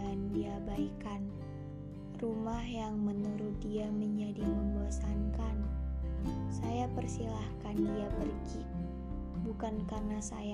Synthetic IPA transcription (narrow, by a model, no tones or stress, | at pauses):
andiabaikan | rumahjaŋmənuɾʊt̪̚diaməɲd͡ʒadiməmbuasankan | sajapərsilahkandiapərɡi | bukankarnasa̰ja